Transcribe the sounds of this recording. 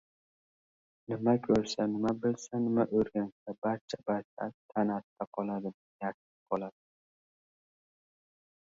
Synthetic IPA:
nɪmakʲʰɵɾsanɪmabɪlsanɪmaʔɵɾɡʲansabaɾt͡ʃʰabaɾt͡ʃʰat̪ʰanat̪ːʰaqʰɒlˠad̪ɪm | jak̪ɪ̥qʰɒlˠad̪ɪ

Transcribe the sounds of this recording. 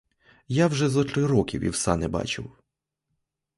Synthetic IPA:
jawʒɛzɐt̪ɾɪɾɔkʲḭwḭwsɑnɛbɑ̰t͡ʃɪ̰w

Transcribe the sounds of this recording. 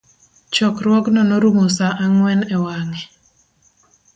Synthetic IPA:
t͡ʃɔkɾwɔɡnɔnoɾumosaʔaŋwɛnɛwaŋɛ

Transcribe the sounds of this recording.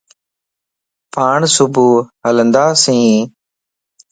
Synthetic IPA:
pʰaːɳsʊbuːɦələnd̪aːsĩː

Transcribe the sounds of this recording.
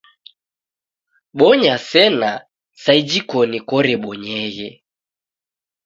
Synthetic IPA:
ɓɔɲasɛna | said͡ʒikɔnikɔɾɛɓɔɲɛɣɛ

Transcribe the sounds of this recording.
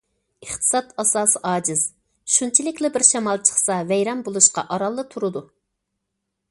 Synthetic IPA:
əχt̪ʰɨ̥sɑt̪ɑsɑːsɨʔɑːd͡ʒɪz̥ | ʃunt͡ʃʰilɪkʲlɪbɪɾʃɛmɑlˠt͡ʃʰə̥χsɑvɛjɾɛmbolˠuʃqɑ̰ʔɑɾɑlˠːɨt̪ʰuɾɨd̪u

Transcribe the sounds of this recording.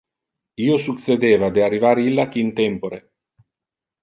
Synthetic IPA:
iːosukt̪sed̪eːvad̪earːivaɾilːak̟int̪ɛmpoɾe

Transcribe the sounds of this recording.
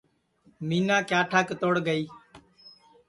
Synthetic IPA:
miːnãːkjaːʈʰaːkt̪oːɽɡəiː

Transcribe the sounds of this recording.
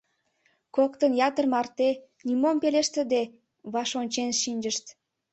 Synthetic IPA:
kokt̪ənjɑt̪ərmɑrt̪e | nʲimompeleʃt̪ə̆d̪e | βɑʃonʲt͡ɕenʃinʲd͡ʒəʃt̪

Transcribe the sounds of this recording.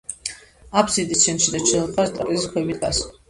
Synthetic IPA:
apsid̪iʃʰɛnʃid̪at͡ʃʰɛlˠχʰast̪ʼa̰pʼizkʰwɛbid̪ɡas

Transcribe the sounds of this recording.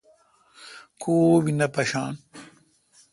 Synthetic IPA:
koːwinɐpɐɕaːn

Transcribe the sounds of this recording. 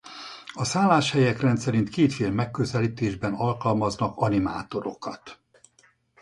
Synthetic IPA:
ɒsaːlːaːʃhɛjɛkrɛnt̪sɛɾint̪keːt̪feːlmɛkːøzɛliːt̪eːʒbɛnɒlkɒlmɒznɒkɒnima̰ːt̪o̞ɾo̞̰kɒt̪

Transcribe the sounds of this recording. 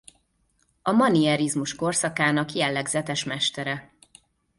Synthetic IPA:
ɒmɒniɛɾizmuʃko̞rsɒkaːnɒkjɛlːɛɡzɛt̪ɛʃmɛʃt̪ɛɾɛ

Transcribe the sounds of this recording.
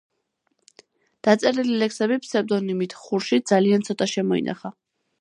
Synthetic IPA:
d̪̥at̪sʼɛɾililɛksɛbipʰsɛɾ̚d̪ɔnimit̪ʰχuɾʃid̪zaliant̪sʰɔt̪ʼaʃɛmɔḭna̰χa

